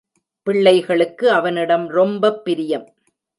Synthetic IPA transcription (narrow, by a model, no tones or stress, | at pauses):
pɪɭːɐɪɣɐɭɯkːɯɐʋɐnɪɽɐmɾɔmbɐpːɪɾɪjɐm